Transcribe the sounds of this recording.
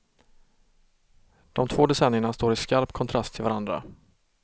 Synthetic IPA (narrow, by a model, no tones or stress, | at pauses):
d̪̥ɔmt̪ʰvoːd̪ɛsɛnːɪəɳast̪oːɾɪskaɾpkʰɔnt̪ʰɾast̪ʰɪlvaɾand̪ɾa̰